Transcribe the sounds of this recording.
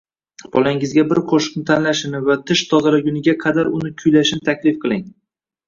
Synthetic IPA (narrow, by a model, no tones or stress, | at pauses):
b̥ɒ̰laɪŋɪzɡʲabɪɾqʰoʃɪ̥qnɪt̪ʰanlaʃɪnɪvat̪ʰɪʃt̪ʰɒzaɾaɡʲʊnɪɡʲaqʰɑd̪aɾʊnɪkʲʰʊjlaʃɪnɪt̪ʰakʲlɪfqʰɨlˠɪŋ